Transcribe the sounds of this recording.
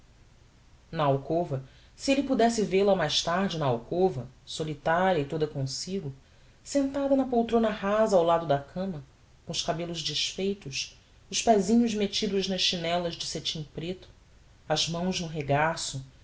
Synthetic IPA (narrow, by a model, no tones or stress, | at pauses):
nɐawkovɐ | sielɪpud̪ɛsɪvelɐmajʃt̪aɾd͡ʒɪnɐawkovɐsolit̪aɾiɐɪt̪od̪ɐkõsiɡʊ | sẽnt̪ad̪ɐnɐpowt̪ɾõnɐɦazɐawlad̪ʊd̪ɐkʰɐ̃mɐ | kõʊʃkabelʊʒd͡ʒiʃfejt̪ʊʃ | ʊʃpɛzĩɲʊzmet͡ʃid̪ʊznɐʃʃinɛlɐʒd͡ʒɪset͡ʃĩpɾet̪ʊ̥ | ɐzmɐ̃w̃znʊɦeɡasʊ